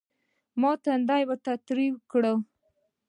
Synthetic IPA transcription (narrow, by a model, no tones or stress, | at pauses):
mɑt̪and̪ajwəɾt̪at̪ɾiwkɽə